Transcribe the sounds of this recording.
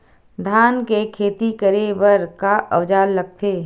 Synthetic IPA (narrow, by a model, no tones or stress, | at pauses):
d̪ʱaːnkekʰeːt̪ikəɾebəɾkaʔɐʋd͡ʒaːlːɐɡ̚t̪ʰeː